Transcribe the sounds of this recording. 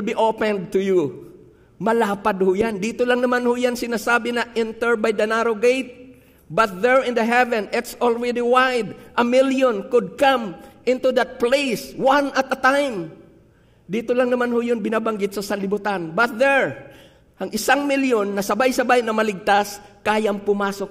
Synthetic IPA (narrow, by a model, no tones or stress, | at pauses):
ɪlbiʔopɛ̃nd̪̚t̪ʊju | mɐlaːpad̪̚hʊjand̪it̪olaŋnɐmanhojansɪnasaːbɪnɐʔɛnt̪ɛɹbajd̪ɐnaɾoɡejt̪̚ | bɐt̪̚ðɛɹɪnd̪ɐɦɛvɛ̃nɪt̪sɔlɹɛd̪iwajd̪ʔɐmɪljonkʊd̪̚kãmʔɪ̃nt̪ud̪ɐt̪̚plejswanɐt̪ɐt̪ajm | d̪iːt̪olaŋnɐmanhʊjʊnbɪnabaŋɡɪt̪̚sɐsɐnlɪbʊt̪anbɐt̪̚ðɛɹ | hɐŋɪsaŋmɪljonːɐsɐbajsɐbajnɐmɐlɪɡ̚t̪askaːjaŋpʊmaːsok̚